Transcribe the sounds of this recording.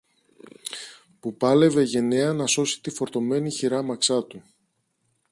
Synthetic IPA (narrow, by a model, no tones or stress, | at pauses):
pupɐle̞ve̞ʝe̞neɐnɐso̞si̥t̪ifo̞ɾt̪o̞me̞niçiɾɐmɐksɐt̪u